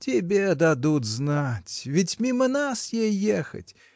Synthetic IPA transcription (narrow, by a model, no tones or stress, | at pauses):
tʲɪbʲed̪ad̪ut̪znatʲvʲɪtʲmʲimənasjejːexə̰tʲ